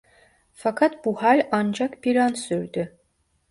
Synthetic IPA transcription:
fakʰat̪̚buhalʲand͡ʒakbiɾansyɾd̪y

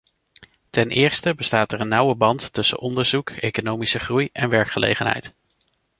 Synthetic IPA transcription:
tɛnʔɪːɹstəbəstaːtɛɹənːʌwəbɑntːɵsə̰nʔɔndəɹzukejkonowmisəχrujɛnʋɛɹkχəlḛjχənɦɛ̰jt

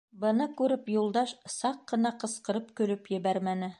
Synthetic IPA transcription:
bɤ̆nɤkʉɾɘpjulˠd̪ɑʃsɑqːɤ̆nɑqɤ̆sqɤ̆ɾɤp̚kɵ̆lɵpjɘ̆βæɾmænɘ

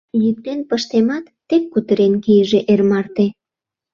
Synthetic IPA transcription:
jyk̚t̪enpəʃt̪emɑt̪ːekːut̪əɾenkijʒeʔermɑrt̪e

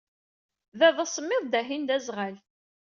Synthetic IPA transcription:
vævðɑsˤəmːɪðˤd̪æɦind̪æzʁæl

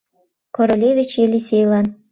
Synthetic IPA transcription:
koɾolʲevʲit͡ɕjelʲisʲejlɑn

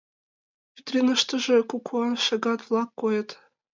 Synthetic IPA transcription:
pʲyt̪rʲenɤ̆ʃt̪ɤ̆ʐɘ̆kukʰuɑnʃɤ̆ɡɑt̪vlˠɑkːojɤ̆t̪

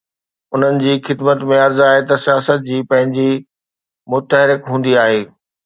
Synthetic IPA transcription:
ʊn̤ənɪ̆d͡ʑiːxɪd̪mət̪mẽɐɾzaːɦet̪ɐsijaːsət̪̚d͡ʑiːpɐ̃ɦɪ̃ɲd͡ʑi | mʊt̪əɦɾɪkɦũːn̆d̪iaːɦeː

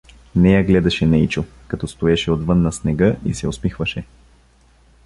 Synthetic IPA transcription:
nɛjaɡlɛd̪ɐʃɛnɛit͡ʃo | kɐt̪ɔst̪oɛʃɛod̪vɤnːɐsnɛɡɤʔḭsɛʊspixvɐʃɛ

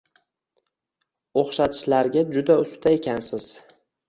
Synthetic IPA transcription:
oχʃat̪ʰɪ̥ʃlaɾɡʲad͡ʒʊd̪aʊst̪ʰae̞kʲʰansɪz̥

